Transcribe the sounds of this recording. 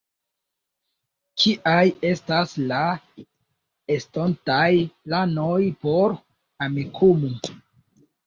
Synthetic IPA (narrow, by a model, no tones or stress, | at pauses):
t͡ʃiʔaje̞stasla | estontajplanojpo̞ɾ | amikʰumu